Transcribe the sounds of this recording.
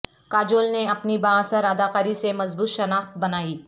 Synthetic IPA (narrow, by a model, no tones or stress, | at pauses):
kaːd͡ʒoːlneɐpnibaːsəɾɐd̪aːqaːɾisemɐzbuːt̪ʃɐnaːxt̪̚bɐnaːiː